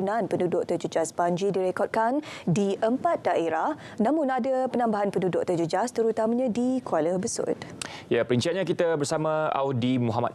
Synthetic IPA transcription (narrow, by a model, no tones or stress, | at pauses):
nãnpəndudʊʔt̪ərd͡ʒud͡ʒasbaɲd͡ʒidiɾekɔd̚kandiʔəmpat̪̚daʔeɾah | nãmũnadapənãmbaɦanpəndudʊʔ̚t̪əd͡ʒud͡ʒast̪əɾut̪amaɲãdikualəbəsʊ̰t̪̚ | japəɾənt͡ʃianɲãkit̪abəɾsamãa̰wdimuɦama̰t̪̚